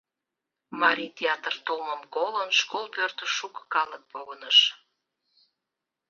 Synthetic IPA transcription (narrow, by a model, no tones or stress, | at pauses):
mɑɾit̪ʲeɑt̪ərt̪olməmkolənʃkolpørt̪əʃukə̥kɑlək̚poɣənəʃ